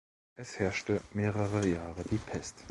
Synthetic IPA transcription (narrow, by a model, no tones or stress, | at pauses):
ʔɛshɛɐʃtəmeːʁəʁəjaːʁədiːpʰɛst